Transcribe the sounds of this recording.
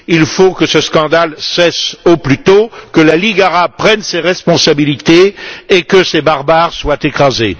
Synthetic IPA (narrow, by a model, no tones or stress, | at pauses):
ilfokəsəskɑ̃d̪alsɛsoplyt̪okəlaliɡaʁab̚pχɛnseʁɛspɔ̃sabilit̪eːkəsebaʁbaʁswat̪ekχaze